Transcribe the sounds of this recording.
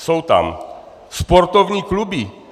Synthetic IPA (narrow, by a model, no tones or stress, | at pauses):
sowt̪a̰m | spɔɾt̪ɔvɲiːklubi